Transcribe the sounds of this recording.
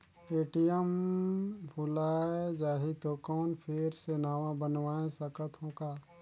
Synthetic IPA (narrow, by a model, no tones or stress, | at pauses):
eːʈijəm | pʊlaːed͡ʒaːɦit̪okɔːnpʰeːɾsenaːʋãbənʋaːẽsəkət̪ɦõːkaː